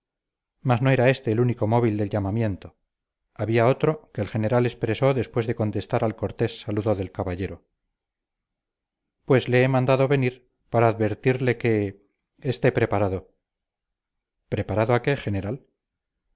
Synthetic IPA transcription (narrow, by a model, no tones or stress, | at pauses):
masno̞eɾae̞st̪e̞ːluniko̞mo̞βild̪e̞lʎamamje̞nt̪o̞ | aβiao̞t̪ɾo̞ke̞ːlxe̞ne̞ɾale̞spɾe̞so̞ðe̞spwe̞zðe̞ko̞nt̪e̞st̪aɾalko̞ɾt̪e̞sːaluðoðe̞lkaβaʝe̞ɾo | pwe̞sle̞emãnd̪aðo̞βe̞niɾ | paɾaːðβe̞ɾt̪iɾle̞ke̞ː | st̪e̞pɾe̞paɾaðo | pɾe̞paɾaðoakeχe̞ne̞ɾal